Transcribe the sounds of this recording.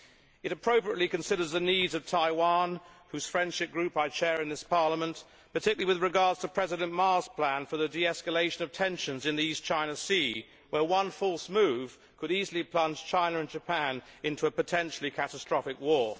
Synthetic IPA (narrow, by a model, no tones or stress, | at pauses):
ɨɾɨpʰɹ̥oʊpɹiətˡlikɨ̃nsɪɾə˞zðɨnidzʌv̥tʰaɪwɑ̃nhʉz̥fɹɛ̃nd̥ʃɨp̚ɡ̥ɹʉpaɪt͡ʃʰɛɹɪ̃nðɪspʰɑɹləmə̃n | pə˞tʰɪkjl̩ˠiwɨðɹɨɡɑɹdz̥tʰəpʰɹ̥ɛzɨɾɨ̃nmɑɹz̥pʰl̥æ̃nfə˞ðɨdiɛskəleɪʃɨ̃nʌv̥tʰɛ̃nʃɨ̃nzɨ̃nðiist͡ʃʰãɪ̃ñəsi | wə˞wʌ̃nfɔlˠsmʉv̥ | kʰɨɾizl̩ˠipʰl̥ʌ̃nʒ̥t͡ʃʰãɪ̃nɨɨ̃nd͡ʒɨpʰæ̃nɪ̃ntʰuəpɨtʰɛ̃nʃl̩ˠikʰæɾəstɹ̥ɑfɨkwɔɹ